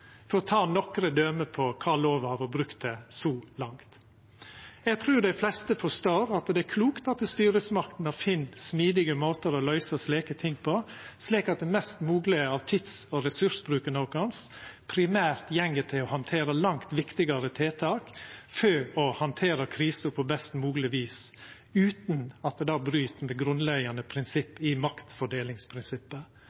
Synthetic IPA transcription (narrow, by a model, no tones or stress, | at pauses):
fɔɾɔt̪ʰɑːnɔkɾəd̪øːməpʰɔkʰɑːloːʋɑʋɑbɾʉkt̪̚d̪ɛsɔlɑŋt̪ | ɛɡ̚t̪ʰɾʉːd̪æɪflɛst̪əfɔʂt̪oːɾɑt̪d̪ɛæɾkʰluːkt̪ɑt̪st̪yːɾəsmɑkt̪n̩ɑfɪnːsmiːd̪ɪɡəmoːt̪əɾɔlœʏsəsleːkət̪ʰɪŋpʰɔsliːkɑt̪̚d̪ɛmɛst̪muːɡlɪəɑʋt̪ʰɪt̪sɔɾɛsʉʂbɾʉːkənɔːkɑnspʰɾɪmæːɾt̪jɛŋːət̪ʰɪɔhɑnt̪ʰeːɾəlɑŋt̪ʋɪkt̪ɪɡɑɾət̪ʰeːt̪ʰɑːkføːɔhɑnt̪ʰeːɾəkʰɾiːsəɾpʰɔbɛst̪muːɡlɪʋiːs | ʉːt̪n̩ɑt̪̚d̪ɛd̪ɑːbɾyːt̪mɛɡɾʉnlɛɡɑnəpʰɾɪnsɪpːɪmɑkt̪fɔɖeːlɪŋspʰɾɪnsɪpːə